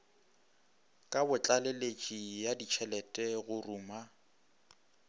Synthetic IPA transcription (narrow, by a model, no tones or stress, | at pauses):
kʼabʊt͡ɬʼalelet͡ʃʼijadit͡ʃʰɛlɛtʼɛɣʊruːma